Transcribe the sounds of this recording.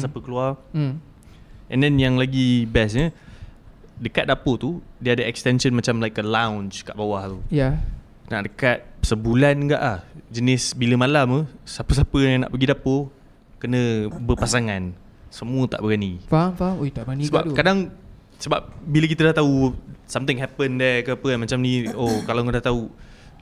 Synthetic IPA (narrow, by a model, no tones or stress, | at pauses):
sapəkəluar | ʔɛ̰ndɛnjaŋlaɡibɛsɲə | dəka̰t̪̚dapət̪udiəadəɛkst̪ɛnʃənmat͡ʃamlajkəlawnt͡ʃkaʔbawaht̪uja | na̰ʔdəkat̪̚səbulanŋɡa̰ʔlahd͡ʒənɪsbiləmalaməsapəsapəjãŋna̰ʔpəɡidapə | kənə̃bərpasaŋan | səmuət̪a̰ʔbəɡanifafaojt̪aʔbəanisəbat̪kadaŋ | səba̰p̚bilək̬it̪ədaht̪ausamt̪ɪ̃ŋɦɛpəndɛkəapəanmat͡ʃamniokalakdaht̪au